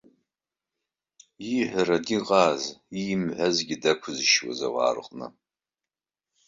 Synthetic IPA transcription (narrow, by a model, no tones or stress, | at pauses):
iħʷaɾadiqʼaːzimʕʷazɡʲidakʷʰʊzʃwa̰za̰wa̰ːrqʼnɨ̰